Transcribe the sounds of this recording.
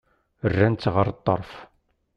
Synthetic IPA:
ərːænt͡s̪ːʁəɾˤt̪ˤːə̰ɾˤf

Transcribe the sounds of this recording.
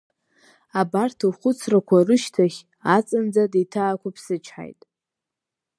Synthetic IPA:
abartʰɨχʷʊt͡sʰrakʷʰarɨʃtʰaχʲ | at͡sʼɨnd͡zaditʰaːkʷapʰsɨt͡ʃʰħa̰jtʼ

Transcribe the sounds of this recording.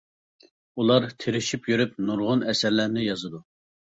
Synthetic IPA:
ulˠɑɾt̪ʰeɾɪʃipjyɾyp̚nuɾʁʊnɛsæɾlæɾnɪjɑzɨd̪u

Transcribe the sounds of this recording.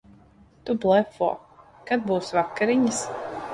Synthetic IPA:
t̪ublˠɛfɔ̰ː | kad̪̚buːsvakːaɾiɲis

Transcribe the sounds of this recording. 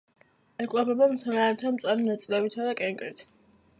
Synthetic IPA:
ɛkʼapʰɛbamt̪sʰanaɾɛt̪ʰamt̪sʼaɾinat̪sʼlɛbit̪ʰad̪akʼɛŋkʼɾit̪ʰ

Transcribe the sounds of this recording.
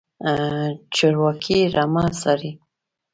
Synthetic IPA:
t͡ʃɑɾwɑkʰiɾamasaɾi

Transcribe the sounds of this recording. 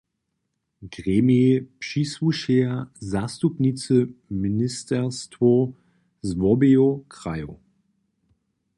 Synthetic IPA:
ɡ̥ʁeːmipʃisvuʃeɐzastupnit͡səminɪstʰɛʁstvo | zvɔbeokʁajo̰

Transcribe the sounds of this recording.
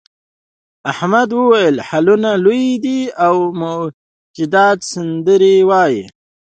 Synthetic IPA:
ahmad̪wəwajəlhalunalujid̪iawmʊ | d͡ʒɪd̪ɑːt̪sɪnd̪əɾiwɑːjḭ

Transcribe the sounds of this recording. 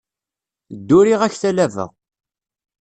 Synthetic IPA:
d̪ːʊɾiʁæçθælævə̰ʁ

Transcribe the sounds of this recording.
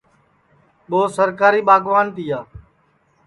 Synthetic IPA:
ɓoːsəɾkaːɾiːɓaːɡʱʋaːnt̪iːaː

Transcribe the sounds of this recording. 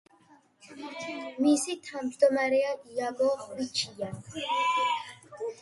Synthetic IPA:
misit̪ʰamd͡ʒd̪ɔmaɾɛaʔiaɡɔχwit͡ʃʰija

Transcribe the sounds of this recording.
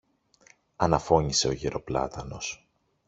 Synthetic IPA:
ɐnɐfo̞ɲise̞o̞ʝeɾo̞plɐ̰t̪ɐno̞s

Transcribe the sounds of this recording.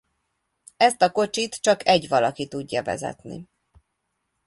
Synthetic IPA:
ɛst̪ɒko̞t͡ʃit̪t͡ʃɒkʰɛɟʋɒlɒkit̪uɟːɒvɛ̰zɛ̰t̪nḭ

